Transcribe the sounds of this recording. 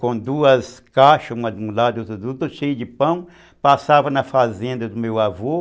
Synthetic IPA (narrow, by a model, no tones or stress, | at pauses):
kõd̪uɐskaʃɐũmɐd̪ulad̪ut̪ɐd̪ut̪ɐʃejʊd͡ʒɪpɐ̃w̃ | pasavɐnɐfazẽnd̪ɐd̪ʊmewavo